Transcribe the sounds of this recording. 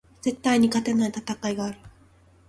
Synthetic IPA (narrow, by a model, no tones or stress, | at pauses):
z̥e̞t̪ːaiɲ̟ikat̪e̞nait̪at̪akaiɡaːɾɯ̟